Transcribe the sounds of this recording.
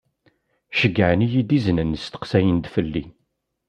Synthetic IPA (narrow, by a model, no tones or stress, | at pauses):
ʃəɡːəʕnijid̪iznənst̪ə̥qsæjənd̪fəlːi